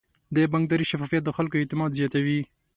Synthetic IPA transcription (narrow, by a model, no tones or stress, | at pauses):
d̪əbaŋɡd̪ɑɾiʃafɑfijat̪̚d̪əxalkoɛt̪ɪmɑd̪zjɑt̪awi